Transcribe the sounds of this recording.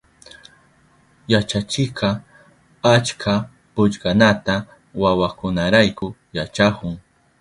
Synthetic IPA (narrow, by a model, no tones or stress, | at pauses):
jat͡ʃat͡ʃɪqʰɑ | at͡ʃkʰa | pʊʎɢanat̪a | wawakʊnaɾajkʊjat͡ʃakʊŋ